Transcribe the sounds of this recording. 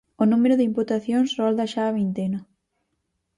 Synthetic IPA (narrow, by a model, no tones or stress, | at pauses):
onũmeɾʊðɪimput̪aθjoŋsrɔld̪aʃaːβint̪eno